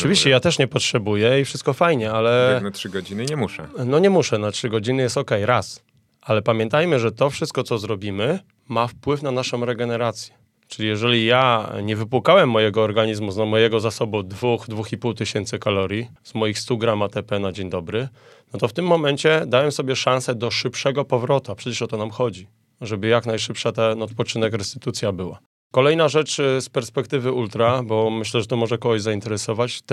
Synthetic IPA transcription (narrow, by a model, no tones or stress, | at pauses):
ɔ̥ʈ͡ʂɘvʲiɕt͡ɕɛjat̪ɛʂɲɛpɔtʂɛbujɛifʂɘst̪kɔfajɲɛalɛnatʂɘɡɔd͡ʑinɘɲɛmuʂɛ̰nɔɲɛmuʂɛnatʂɘɡɔd͡ʑinɘjɛst̪ɔkɛjɾas | ʔalɛpamʲjɛnt̪ajmɘʐɛt̪ɔfʂɘst̪̚kɔt̪sɔzɾɔbʲimɘ | mafpwɘfnanaʂɔ̃w̃ɾɛɡɛnɛɾat̪sʲjɛ̥ | t͡ʂɘlʲijɛʐɛlʲijaɲɛvɘpwukawɛmːɔjɛɡɔːɾɡaɲizmuzamɔjɛɡɔzasɔbud̪vuxd̪vuxipuwt̪ɘɕɛnt̪sɘkalɔɾʲji | zmɔjixst̪uɡɾamat̪ɛpɛnad͡ʑeɲd̪ɔbɾɘ | nɔt̪ɔft̪ɘmːɔmɛnt͡ɕɛd̪awɛmsɔbʲjɛʂãnsɛd̪ɔʂɘpʂɛɡɔpɔvɾɔt̪uapʂɛt͡ɕɛʂɔt̪ɔnamxɔd͡ʑi | ʐɛbɘjaknajʂɘpʂat̪anɔt̪pɔt͡ʂɘnɛkɾɛst̪ɘ̥t̪ut̪sʲjabɘwa̰ | kɔlɛjnaʐɛt͡ʂspɛɾspɛkt̪ɘvɘult̪ɾabɔmɘɕlɛʐɛt̪ɔmɔʐɛkɔɡɔʑzaint̪ɛɾɛsɔvat͡ɕ